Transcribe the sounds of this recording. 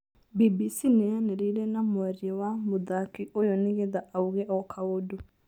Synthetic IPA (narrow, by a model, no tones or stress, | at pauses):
bibisinejaneɾeiɾɛnamwaɾiɔwamoðakiʔojɔneɣeðaauɣɛʔɔkʰaodo